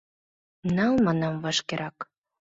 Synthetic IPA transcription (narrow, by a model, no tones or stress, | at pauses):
nɑlmɑnɑmvɑʃkeɾʔɑk